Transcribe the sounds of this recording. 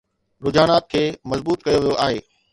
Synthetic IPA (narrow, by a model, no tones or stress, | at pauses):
ɾʊd͡ʑaːñaːt̪̚kʰeːmɐzbuːt̪kɐjoʋijoʔaːɦeː